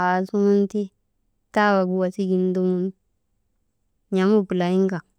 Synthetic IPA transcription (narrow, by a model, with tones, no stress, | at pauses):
a˨su˦mu˦n˦ti˦ | ta˦˨wa˨ɡu˦wa˨si˦ɡi˦n˦du˦mu˦n | ɲa˨mu˦bu˨la˨ji˦ŋɡa˨